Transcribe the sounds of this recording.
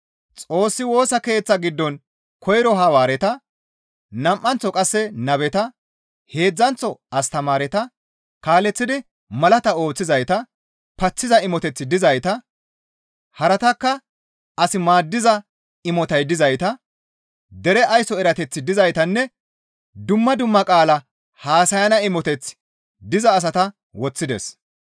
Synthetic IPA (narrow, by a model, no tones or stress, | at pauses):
t͡sʼo̞ːsːɪwo̞ːsɐke̞ːt͡sːɐɡɪd̪ːɔn | kʰɔjɾɔɦɐwaːɾɛt̪ɐ | nɐmʔːɐnt͡sːɔkʼɐsːɛnɐβɛt̪ɐ | he̞ːd͡zːɐnt͡sɔɐst̪ɐmaːɾɛt̪ɐ | kaːlɛt͡sːɪd̪ɪ | mɐlɐt̪ɐo̞ːt͡sːɪzɐjt̪ɐ | pɐt͡sːɪzɐɪmɔt̪ɛt͡sːɪd̪ɪzɐjt̪ɐ | hɐɾɐt̪ɐkːɐ | ɐsɪmaːd̪ːɪzɐ | ɪmɔt̪ɐjd̪ɪzɐjt̪ɐ | d̪ɛɾɛʔɐjsɔɛɾɐt̪ɛt͡sːɪd̪ɪzɐjt̪ɐnːɛ | d̪ʊmːɐd̪ʊmːɐkʼaːlɐ | haːsɐjɐnɐɪmɔt̪ɛt͡s | d̪ɪzɐːs̬ɐt̪ɐ | wɔt͡sːɪd̪ɛ̰s